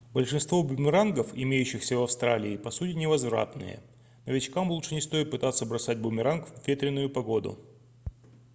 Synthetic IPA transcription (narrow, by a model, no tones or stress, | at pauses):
bəlʲʂɨnst̪vo̞bʊmʲɪɾanɡəfɪmʲejʉɕːɪxsʲəvɐfst̪ɾalʲɪːpɐsutʲɪnʲɪvɐzvɾa̰t̪nɨ̰jə̰ | nəvʲɪt͡ɕkamlˠutʂɨnʲɪst̪o̞jɪt̪̚pɨt̪at̪sːəbɾɐsat̚ʲbʊmʲɪɾankvvʲːet̪ɾʲɪnːʊjʊpɐɡo̞d̪ʊ̰